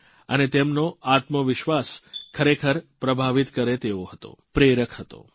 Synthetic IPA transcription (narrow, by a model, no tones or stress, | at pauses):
ənet̪emnoat̪məʋɪʃʋaskʰəɾekʰəɾpɾəbʱaʋit̪kəɾet̪eoɦət̪o̰pɾeɾəkʰɦət̪o̰